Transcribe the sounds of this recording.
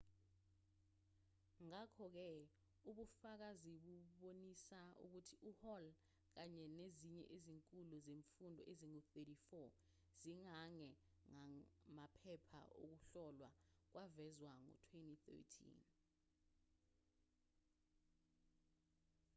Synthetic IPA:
ŋakʰɔk̬ɛ | uɓufak̬aziɓuɓonisaṵk̬utʰiʔuhɔl | k̬aɲɛneziɲɛ̰ʔeziŋkʼuluzeɱfundʱɔ̰ʔeziŋuθetifɔ | z̥iŋaŋɛ | ŋamapʰɛpʰa̰ʔo̰k̬uɬɔlwa̰k̬wʔavɛzwaŋɔ̰tʰwentiθɛ̰tʰḭn

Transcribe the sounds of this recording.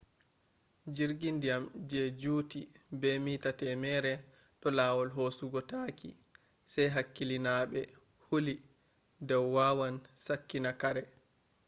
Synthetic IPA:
d͡ʒiɾɡindijamd͡ʒɛd͡ʒuːtibɛmiːtatɛmɛːɾɛ | ɗɔlaːwɔlɦosuɡɔtakḭ | sajɦakːilinaɓɛ | huli | dɔwːawansakːinakaɾɛ

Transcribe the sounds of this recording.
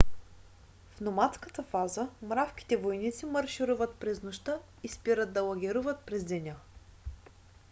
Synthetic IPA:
fnomat̪skət̪əfazəmɾafk̟ʲi̥t̪ɛvojnit̪siməɾʃiɾuvət̪̚pɾɛznoʃt̪ə | ispiɾəd̪̚d̪ɐlˠɐɡʲɛɾuvət̪̚pɾɛzd̪ɛnʲa

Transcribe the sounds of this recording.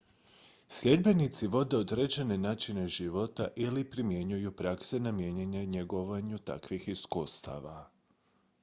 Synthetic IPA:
sʎe̞d̪be̞nit̪siʋo̞d̪e̞od̪ɾed͡ʒene̞naːt͡ʃine̞ʒiʋo̞t̪aʔilipɾimje̞ɲujupɾaksenamje̞ɲeɲaɲe̞ɡo̞ʋaɲut̪a̰kʋixiskuːst̪a̰ʋa

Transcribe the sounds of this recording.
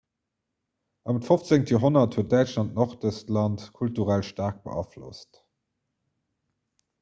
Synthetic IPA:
ʔɑmətfoft͡seŋtəjoɦonɐthuət̚dæɪt͡ʃlɑntnɔχd̥əstlɑntkʰultuʁælʃtaːʁk̚b̥ə̰ʔɑflo̰st

